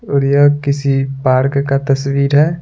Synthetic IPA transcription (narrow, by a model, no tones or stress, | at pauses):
oɾjəkɪsipaːɾkkat̪ɐswiːɾɦɛː